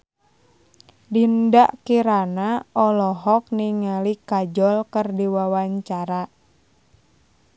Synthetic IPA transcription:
dindaʔkiɾanaɔlɔɦɔk̚niŋalikad͡ʒɔlkərdiwawaɲt͡ʃaɾa

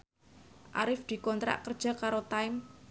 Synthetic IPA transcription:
ʔa̰ɾɪfd̪̥i̤kɔnt̪ɾa̰ʔkərd̥ʒ̥a̤kaɾot̪aɪm

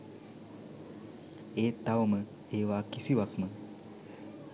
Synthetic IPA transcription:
eːt̪aʋmə | eːʋaːkisiʋakmə

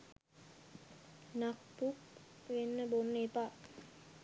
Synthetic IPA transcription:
nakpuk | ʋenːəbonːepa

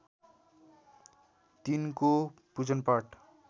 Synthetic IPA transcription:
t̪inko | pud͡zʌnpaʈ

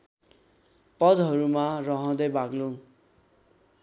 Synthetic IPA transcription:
pʌd͡zɦʌɾumarʌɦʌ̃d̪ʌjbaɡlõ

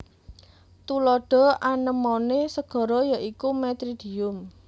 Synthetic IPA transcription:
t̪ulɔɖ̥ɔ̤anəmonesəɡ̥ɔ̤ɾɔjaʔikumɛt̪ɾid̥i̤ʊm

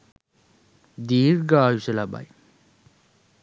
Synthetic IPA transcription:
d̪iːɾɡaːjusɐlaba̰j

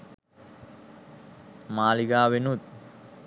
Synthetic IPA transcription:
maːliɡaːʋenut̪̚

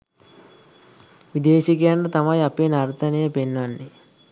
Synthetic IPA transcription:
ʋid̪eːʃikeːɳɖɐt̪ɐmɐjɐpenɐɾt̪ʰɐnejɐpenːɐnːi

